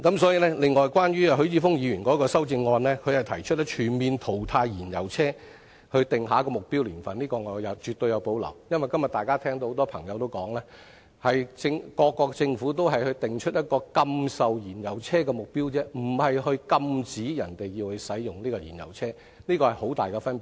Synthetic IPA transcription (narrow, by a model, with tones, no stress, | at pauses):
kɐ˨˥msɔː˨˥jiː˧lɛ˥lɪ˨˧ŋːɔː˨jkʷwaː˥nɥyː˥ɐ˧ɦɵ˨˥ɥt͡siː˧˥fʊ˥ŋjiː˨˧ɥyː˨˩nkɔː˨˥kɔː˧sɐ˥wt͡sɪ˧ŋːɔː˧nlɛː˥kʰɵ˨˧ɥhɐ˨jt̪ʰɐ˨˩jt͡ʃʰt̚lɛ˥t͡ʃʰyː˨˩nmiː˨nt̪ʰo˨˩wt̪ʰaː˧jːiː˨˩njɐ̰˨˩wt͡sʰɛː˥ | hɵ˧ɥt̪ɪ˨ŋɦaː˨˥kɔː˧mʊ˨k̚piː˥wliː˨˩nfɐ˨nliː˥kɔː˧ŋɔː˨˧jɐ˨˧wt͡ʃyː˨t̪ːɵ˧ɥjɐ˨˧wpo˨˧˥wlɐ̰˨˩wjɐ˥nʋɐ˨jkɐ˥mjɐ˨t̚t̪aː˨jkaː˥t̪ʰɛː˥ŋt̪o˧ho˨˥t̪ɔː˥pʰɐ˨˩ŋjɐ˨wt̪o˥wkɔː˨˥ŋlɛː˥ | hɐ˨jt͡sɪ˧ŋkɔː˧kːɔː˧k̚t͡sɪ˧ŋfu˨˥t̪o˥wɦɐ˨˩jhɵ˧jt̪ɪ˨ŋt͡ʃʰɵ˥t̚jɐ˥t̚kɔː˧kɐ˧msɐ˨wjiː˨˩njɐ˨˩wt͡sʰɛː˥k̬ɛː˧mʊ˨k̚piː˥wt͡sɛː˥m̩˨˩hɐ˨jɦɵ˧ɥkɐ˧mt͡siː˨˥jɐ˨˩nt̪e˨jjiː˧whɵ˨˧jsɐ˨˥jjʊ˨ŋliː˥kɔː˧jḭː˨˩njɐ̰˨˩wt͡sʰɛː˥ | niː˥kɔː˧hɐ˨jɦo˨˥wt̪aː˨jkɛ˧fɐ˥npi˨